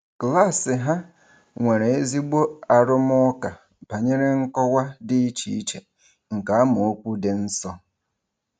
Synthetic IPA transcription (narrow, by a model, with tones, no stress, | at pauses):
kla˦˨sɪ˨ɦa˦ | ŋʷe˨ɾe˨e˦zi˦ɡ͡bo˦a˨ɾʊ˦m˦ɔ˦ka˨ | pa˨ɲe˦ɾe˦ŋ̩˦kɔ˦wʷa˦dɪ˦i˦t͡ʃḭ˨˦i˦t͡ʃe˨ | ŋ̩˨ka˨a˦mʊ˨o˦kʷu˦de˦n̩˦sɔ˦